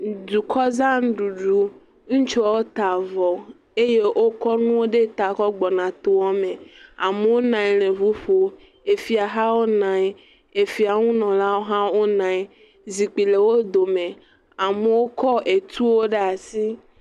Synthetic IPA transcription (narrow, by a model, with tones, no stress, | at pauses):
du˨kʰɔ˦zã˦n˦ɖu˨ɖu˨ | ŋ̩̃˦t͡ʃo˦wo˦t̪a˨vɔ˨ | e˦je˦ʔo˦kɔ˦nũ˦wo˦ɖe˦t̪a˨kɔ˦ɡ͡bɔ˨nã˨t̪o˨wɔ˦me˨a˨me˨wo˦nã˨i˨l̃ẽ˨vu˦ɸo˨ | e˨fi˨a˨ɦa˦wo˦nã˨˦ | e˨fi˨a˨ŋũ˦nɔ̃˨la˦wo˦ɦã˦wo˦nã˨i˨ | zi˨k͡pi˨le˨wo˦d̪o˨me˨ | a˨me˨wo˦kɔ˦e˨t̪u˦wo˦ɖe˦a˨si˦